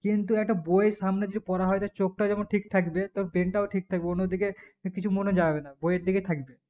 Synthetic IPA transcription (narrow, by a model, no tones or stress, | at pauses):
kint̪uɛk̚ʈabojeʃamned͡ʑeʈipɔɾaɦɔet̪at͡ɕok̚ʈad͡ʑɛmonʈʰik̚t̪ʰakbet̪ɔbebeɳʈaoʈʰik̚t̪ʰak̚beonːod̪ikekit͡ɕʰumoned͡ʑabenabojeɾd̪iket̪ʰakbe